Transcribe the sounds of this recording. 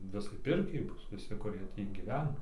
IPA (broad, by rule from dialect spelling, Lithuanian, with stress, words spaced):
ˈʋʲɪsɐɪ ˈpʲɪrʲkʲɛɪ ˈbʊs ʋʲɪˈsʲɪ kʊˈrʲiɛ ˈtʲiː ɡʲiːˈʋʲæːnɐ